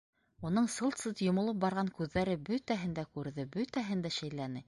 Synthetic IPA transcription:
unɤɴsɤ̆lˠt̪sɤt̪jŏmŏlˠɤp̚bɑɾʁɑŋkʉðːæɾɘbɵt̪æɦɘ̆nd̪ækʉɾðɘbɵt̪æɦɘnd̪æʃæjlænɘ

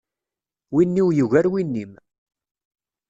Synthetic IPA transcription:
winːiwjəʝæɾwinːim

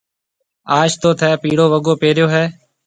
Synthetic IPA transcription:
aːʃt̪oːt̪ʰɛːpiːɽoːʋəɠoːpeːɾjoːɦɛː

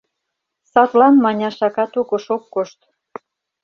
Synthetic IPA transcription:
sɑt̪lɑnmɑnʲɑʃɑkɑt̪oɣŏʃokːoʃt̪

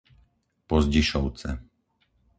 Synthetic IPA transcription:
pɔzɟiʃɔʊt͡sɛ

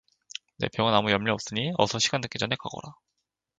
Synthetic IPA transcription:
ne̞̰pjʌŋɯnamujʌmʎiʌp̚s͈ɯɲiʌsʰʌɕʰiɡandɯk͈id͡ʑʌne̞ka̰ɡʌ̰ɾa

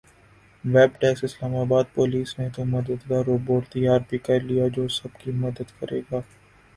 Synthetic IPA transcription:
ʋɛːbʈɛːksɪslaːmaːbaːd̪̚poliːsnẽt̪omɐd̪əd̪ɡaɾoːboːɾt̪ɐjaːɾbikɐɾlijad͡ʒoːsɐbkimɐd̪əd̪kɐɾeːɡaː

